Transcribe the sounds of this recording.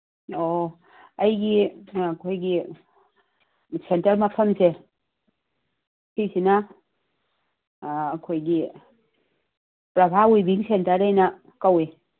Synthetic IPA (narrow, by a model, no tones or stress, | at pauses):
ɔ | ajɡikʰojɡi | sɛntɐlmapʰəmse | tʰisina | kʰojɡi | pɾabʱawujbiŋsɛntaɾajna | kawe